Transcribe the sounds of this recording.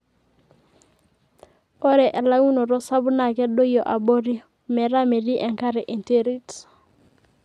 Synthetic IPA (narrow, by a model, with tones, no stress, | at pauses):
o˦ɾɛ˨ʔe˨la˦u˦no˨ɾɔ˦sa˦bu˦na˨kɛ˦do˦jɔ˨ʔa˨bo˦ɾi˦ | mɛ˨ɾa˦me˨di˦ʔɛ˨ŋka˦ɾe˨ʔe˨nte˦ɾi˦t